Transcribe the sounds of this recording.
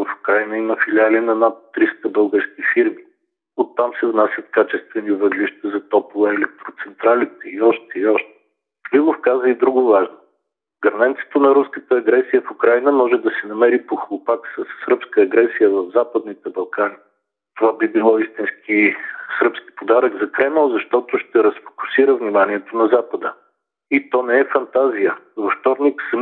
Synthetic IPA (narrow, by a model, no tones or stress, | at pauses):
ɐfu̥kɾajnəiməfilialinɐnat̪ːɾist̪əbɤlˠɡəɾskifiɾmi | ot̪ːamsɛvnasʲjət̪kat͡ʃɛst̪vɛnivəd̪liʃt̪əzɐt̪ɔplˠəɛlɛk̚t̪ɾot̪sɛnt̪ɾalit̪ɛiɔʃt̪ɛiɔʃt̪ɛ̥ | lilofkazəid̪ɾuɡovaʒno | ɡɐɾnɛnt̪sɛ̥t̪onɐɾuskət̪əːɡɾɛsijəfukɾajnəmɔʒɛd̪ɐsɛnɐmɛɾipoxolˠʊpaksəsɾɤpskəːɡɾɛsijəvɐvzapəd̪nit̪ɛbɐlˠkani | t̪ovabibilˠɔist̪inskisɾɤpski̥pod̪aɾəɡzɐkɾɛməlˠzɐʃt̪ɔt̪ʊʃt̪ɛɾɐsfo̥kʊ̥siɾəvnimanʲiɛt̪onɐzapəd̪ə | it̪ɔnɛɛfɐnt̪azijəvoft̪ɔɾniksə